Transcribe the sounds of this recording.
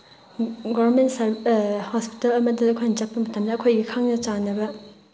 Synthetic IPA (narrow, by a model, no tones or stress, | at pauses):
ɡobɐɾmentsɾhospi̥telɐmɐdiɐkʰojnɐt͡ʃɐpːɐmɐtʰɐmnɐːkʰojɡikʰaŋnɐt͡ʃanɐbɐ